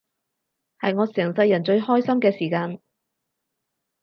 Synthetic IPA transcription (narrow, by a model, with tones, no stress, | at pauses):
hɐ˨jŋɔː˨˧sɛː˨˩ŋsɐ˧jːɐ˨˩nt͡ʃɵ˧ɥhɔː˥jsɐ˥mkɛː˧siː˨˩kaː˧n